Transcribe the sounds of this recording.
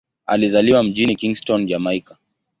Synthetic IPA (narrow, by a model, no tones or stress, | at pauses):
a̰lizaliwam̩ʄinikiŋɡstɔnd͡ʒamaika